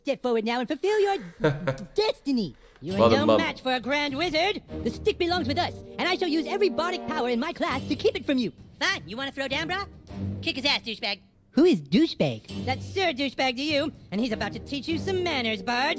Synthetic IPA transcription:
stɛpfɔɹwə˞dⁿnaʊə̃nfɨlˠfɪlˠjə˞ | d̥ɛstɨni | jɨʌõʊ̃mæt͡ʃfə˞ɨɡɹæ̃nd̚wɪzə˞d̚ðɨstɪk̚b̥ɨlɔ̃ŋzwɨðʌsɨ̃ñaɪʃəlˠjʉzɛvɹibɑɾɨk̚pʰaʊə˞ɨ̃nmaɪkʰl̥æstʰɨkʰipɨtfɹʌ̃mjɨfænjɨwɑ̃ñɨθɹoʊdæ̃ʊ̃nbɹɑkʰɪkɨzæsd̥ʉʃb̥æɡ̥̚ | huɪzdʉʃb̥æ̰ɡ̥ðætsɜ˞dʉʃb̥æɡ̚tɨjʉɨ̃nizɨbaʊtʰɨtʰit͡ʃjɨsʌ̃mːæñə˞zbɑɹd

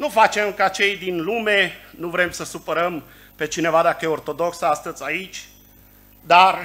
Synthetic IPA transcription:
nufat͡ʃe̞mkat͡ʃe̞jd̪inlume̞nuvɾe̞msəsupəɾəm | pe̞t͡ʃine̞vad̪akəjeo̞rt̪o̞d̪o̞ksast̪əzʲait͡ʃʲ | d̪ar

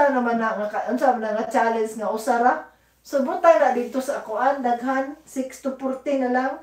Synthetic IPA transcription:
aŋamanaŋaaʔʊnsamnaŋat͡ʃalɛnsŋaʔʊsaɾa | sobʊt̪ajɾaʔd̪ɪd̪̚t̪osakʊʔand̪aɡɦansɪkst̪ʊpʊɾt̪ɪnalaŋ

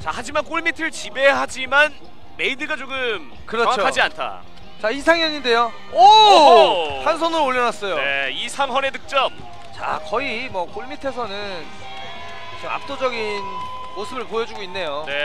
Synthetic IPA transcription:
t͡ɕahad͡ʑimank͈oɭmitʰɯɭt͡ɕibe̞ɦad͡ʑiman | me̞idɯɡat͡ɕoɡɯm | kɯɾʌʌŋakkʰad͡ʑiantʰa̰ | t͡ɕais̬ʰaŋjʌɲinde̞jo | ʌ | hans̬ʰʌnɯɾooʎːʌnas͈ʌjoeisʰaŋɦʌne̞dɯk̚t͡ɕ͈ʌm | t͡ɕa̰kʌimwʌk͈oɭmitʰe̞s̬ʰʌnɯ | n | kɯsʰʌŋa̰p̚t͈od͡ʑʌɡin | mosʰɯbɯɭpojʌd͡ʑuɡoinːe̞jone̞

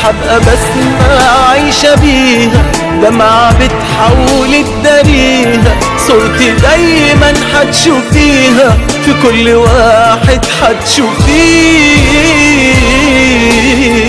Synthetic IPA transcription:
ħabʔæbas | maʕajʃabiːɦæ | d̪æmaʕabɪt̪ħawlɪd̪ːaɾiːɦa | sˤoɾt̪id̪æjmænħat̪ʃuːfiːɦæ | fikʊlːwaːħɪd̪ħat̪ʃuːfiː

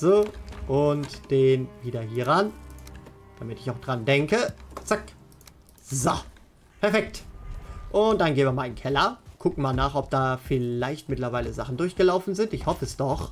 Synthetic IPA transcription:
z̥oːʔʊntd̥eːnviːdɐɦiːʁan | d̥amɪtɪçaʊxd̥ʁandɛŋkət͡sak | zo | pʰɛɐfɛkt | ʔʊnt̚d̥anɡeːbmɪɐmaːlɪnkʰɛlɐkʰʊkŋ̩maːlnaːχɔp̚d̥aːfɪlaɪçtmɪtlɐvaɪləzaχn̩dʊɐçɡ̥əlaʊfn̩zɪntɪçhɔfəɛsd̥ɔχ

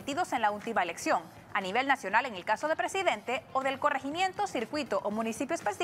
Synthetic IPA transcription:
it̪iðo̞se̞nlault̪imaeleksjo̞ŋ | aniβ̞e̞lnasjo̞nale̞ŋelkaso̞ð̞e̞pɾe̞siðe̞nt̪e̞oðe̞lko̞re̞ximjẽ̞nt̪o̞siɾkwit̪oʔomũnisipjoespes

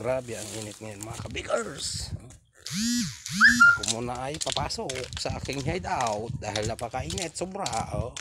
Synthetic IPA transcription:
ɡɾabɛaŋʔiːnɪt̪̚ŋajonmɐŋakabɪɡɛɾs | kʊmʊnaʔajpapaːsok̚saʔa̰ːkɪŋɦajd̪awt̪̚d̪aːhɦɪlnapakaʔiŋɛt̪̚sʊbɾaʔo

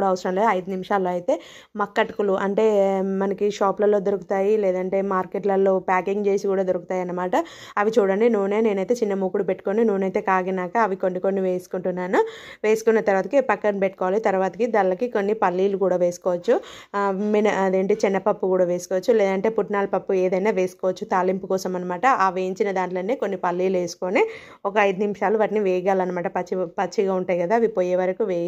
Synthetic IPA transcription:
ɽaːɐʋɐsɾɐmled̪ɐjd̪unimiʂaːlːoːɐjt̪e̞ː | mɐkːɐʈɐkuluʔɐɳʈe̞ːmɐnɐkiʃaːplɐlo̞ːd̪oɾuku̥t̪aːjilɛːd̪ɐɳʈe̞ːmaːɾkeʈlɐlːo̞ːpaːkiŋɡt͡ʃe̞ːsikuːɽaːd̪oɾuku̥t̪aːjɐnːɐmaːʈɐ | ɐʋit͡ʃuːɽɐɳɖenuʋːune̞ːne̞ːnɐjt̪e̞ːt͡ʃinːɐmuːkuɽupeʈːu̥koninuʋːnɐjt̪e̞ːkaːɡinaːkɐɐʋiko̞nːiko̞nːiʋeːsu̥kuɳʈunːaːnuʋeːsu̥kunːɐt̪ɐɾʋaːt̪ɐkipɐkːɐnpeʈːu̥kɔːʋaːlit̪ɐɾuʋaːt̪ɐkid̪ɐlɐkiko̞nːipɐlːiːlukuːɽaːʋe̞ːsu̥kɔːʋɐt͡ʃːu | menɐɐd̪eːɳʈeːt͡ʃɛnːɐpɐpːukuːɽaːʋeːsu̥kɔːʋɐt͡ʃːulɛːd̪ɐɳʈe̞ːpuʈnaːlɐpɐpːueːd̪ɐjnaːʋe̞ːsu̥kɔːʋɐt͡ʃːut̪aːlimpukɔːsɐmɐnːɐmaːʈɐʔaːʋejiɲt͡ʃinɐd̪aːɳʈlɐneːkonːipɐlːiːlʋeːsu̥koːne | ɔkɐɐjd̪unimʂaːluʋaːʈiniʋeːjɡaːlɐnːɐmaːʈɐpɐt͡ʃːipɐt͡ʃːiɡaːuɳʈaːjkɐd̪aːʋipoːjeːʋɐɾɐkuʋeːj

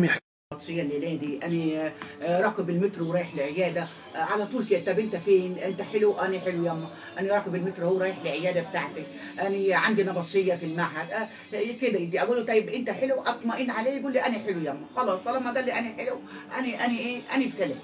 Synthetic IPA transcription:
mi | ɑt̪ˤʃejːɑlːilæːd̪iʔæni | ɾˤɑːqebelmet̪ɾwɾɑːjeħleʕejæːd̪æ | ʕalæt̪ˤuːlked̪æt̪æbʔent̪æfeːnʔent̪æħeluʔæniħelujæmːæ | ʔæniɾˤɑːkebelmet̪ɾhowːɾɑːjeħleʕejæːd̪æbet̪aʕt̪æ | ʔæniʕand̪inɑbɑt̪ʃejːɑfilmaʕɦæd̪ | ked̪æd̪iʔæɡuːlːt̪ˤɑjːebʔent̪æħeluʔæt̪ˤmæʔiːnʕaleːjɡuːlːiʔæniħelujæmːæxɑlɑːsˤɑlæmːæɡ̪æːlːiʔæniħelu | ʔæniʔæniʔeːʔænibsælæf

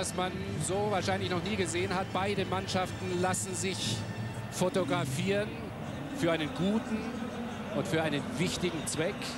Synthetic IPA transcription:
asman | zoːvaːɐʃaɪnlɪçnɔχniːɡəzeːənɦat̚b̥aɪdəmanʃaftn̩lasn̩zɪç | fotoɡʁafiːʁən | fyːɐaɪnənɡuːtn̩ | ʔʊntfyːɐʔaɪnənvɪçtɪɡŋ̩t͡sv̥ɛk

